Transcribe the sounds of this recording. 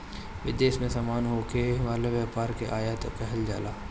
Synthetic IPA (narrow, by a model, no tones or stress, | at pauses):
ʋɪ̰d̪eːsmẽsamaːnɦoːkeʋaːleʋjaːpaːɾkeʔaːjat̪pɛɦɛld͡ʒa̰ːlaː